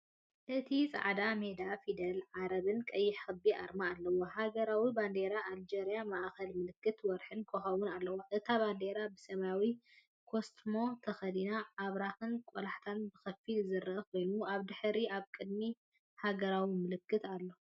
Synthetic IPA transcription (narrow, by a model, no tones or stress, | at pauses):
ʔɨt̪ʰit͡sʼa̰ʕd̪ame̞d̪afid̪ɐlʕaɾɐβɨnkʼɐjːɪħxɨbia̰ɾmaːlːɐwoɦaɡɐɾawiband̪e̞ɾaʔːld͡ʒeɾijamaʔxɐlmɨlɨkːɨt̪wɔɾħɨnkʰoxɐwunalːɐwoʔɨt̪ʰaβand̪e̞ɾabɨsɐβawi | kʰo̞st̪mo̞t̪ʰɐxɐd̪inaːβɾaxɨnkʼolaħt̪ʰanbɨxɐfːilzɨɾɐʔɐkʰo̞jnuaβd̪ɨħɾiaβkʼɨd̪mi | haɡɐɾawimɨlɨkːɨt̪alːo̞